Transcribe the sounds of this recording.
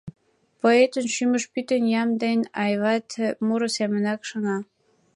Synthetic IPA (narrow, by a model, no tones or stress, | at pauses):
poet̪ənʃyməʃpyt̪ənjɑmd̪enʲɑjβɑt̪muɾŏsemə̆nɑkʃɤ̆nɑ